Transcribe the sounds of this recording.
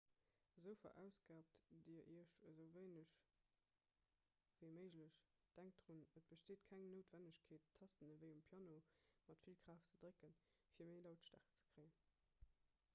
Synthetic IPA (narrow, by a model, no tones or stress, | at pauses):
zəʊfɐ̰ʔæʊsɡ̥aːp̚tdiəʔiːɐʃəzəʊveɪnəɕ | v̥əɪməɪʒləɕ | d̥æŋk̚d̥ʁunət̚b̥əʃteːtkʰæŋnoːtv̥ænəɕkʰeːtʰːɑstənəvəɪumpʰjɑːnomɑtfilkʰʁ̥aːftt͡sədʁekən | fiːɐmeɪlaʊtʃta̰ːχt͡sə̥kʁ̥əɪən